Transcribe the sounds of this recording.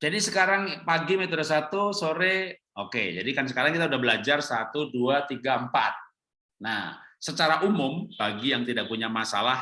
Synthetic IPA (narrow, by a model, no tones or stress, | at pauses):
d͡ʒadisəkaɾaŋpaɡimet̪ɾasat̪usoɾe | okḛd͡ʒa̰dikansəkaɾaŋkit̪̬audahbəlad͡ʒarsat̪uduat̪iɡampa̰t̪̚ | na̰sət͡ʃaɾaʔumʊmbaɡijaŋt̪idak̚puɲamasa̰lah